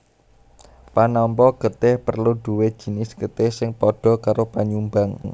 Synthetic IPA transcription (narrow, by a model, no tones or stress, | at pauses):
panɔmpɔɡ̥ə̤t̪ɪhpərluɖ̥ṳwed̥ʒ̥i̤nɪsɡ̥ət̪ɪhsɪŋpɔɖ̥ɔ̤kaɾopaɲumbaŋ